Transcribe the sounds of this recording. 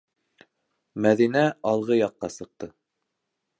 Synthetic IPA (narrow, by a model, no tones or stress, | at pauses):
mæðinæɑlˠʁɤjɑqːɑsɤ̆q̚t̪ɤ